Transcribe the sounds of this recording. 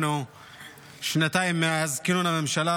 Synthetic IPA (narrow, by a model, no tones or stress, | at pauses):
nu | ʃnat̪aːjimːaazkɪnunamemʃala